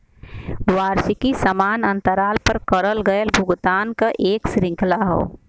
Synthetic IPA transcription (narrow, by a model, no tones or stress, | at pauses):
waːɾsikisəmaːnə̃nt̪əɾaːlpəɾkəɾəlɡəəlbʱʊɡt̪aːnkaʔeːksɾɪ̃ŋklaɦo̰ː